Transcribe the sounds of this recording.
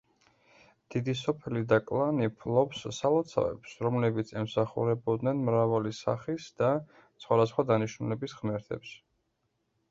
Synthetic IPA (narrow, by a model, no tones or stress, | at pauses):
d̪̥id̪isɔpʰɛlid̪akʼlˠanipʰlˠɔpsːalˠɔt̪sʰa̰vɛ̰psɾɔmlɛbit̪sʰɛmsaχṵɾɛbɔd̪nɛnmɾavalisa̰χisd̪̥a | sχwad̪asχwad̪aniʃnulɛbisʁmɛɾt̪ʰɛ̰ps